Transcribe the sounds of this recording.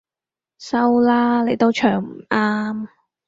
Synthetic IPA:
sɐ˥wlaː˥le˨˧jt̪o˥wt͡ʃʰœː˨˩ŋm̩˨˩aː˥m

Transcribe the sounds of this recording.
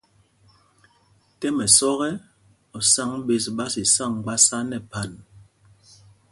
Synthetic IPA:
tɛ˦mɛ˨sɔ˦ɣɛ˦ | ɔ˨sa˦ŋ˦be˨s̬ɓa˦si˨sa˦˨ŋ˨ɡ͡ba˦sa˦nɛ˨pa˨n

